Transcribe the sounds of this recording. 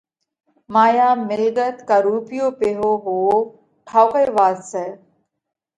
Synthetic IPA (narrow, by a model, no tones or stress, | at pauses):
maːjaːmɪlɡət̪kaɾuːpijoːpeɦoːɦoː | ʈʰaːʊkəeʋaːzsɛː